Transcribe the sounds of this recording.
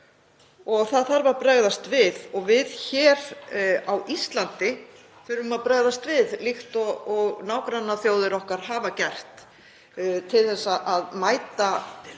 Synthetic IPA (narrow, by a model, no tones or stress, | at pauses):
ɔɣθaðθaɾvaɾpɾɛɣðast̪vɪðɔɣvɪðçɛːɾawʔist̪lant̪ɪ | θʏɾvʏmaðpɾaːɣðast̪vɪðlixt̪ɔɣɔɣnaːwkɾanːaθjoːwðɪɾɔhkaɾ̥ɦaːvacɛr̥t̪ | t̪ʰɪlθɛsːaʔaðmaːjt̪a